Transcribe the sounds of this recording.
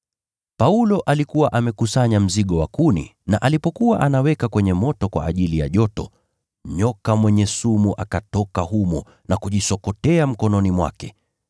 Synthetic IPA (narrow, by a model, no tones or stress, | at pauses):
paulɔʔalikuwaʔamɛkusaɲam̩ziɠɔwakunḭnaʔalipɔkuwaʔanawɛkakwɛɲɛmɔtɔkwa̰ːʄilija̰ʄɔtɔ | ɲɔkamwɛɲɛsumuʔakatɔkaɦumɔ | nakuʄisɔkɔtɛam̩kɔnɔnimwa̰kɛ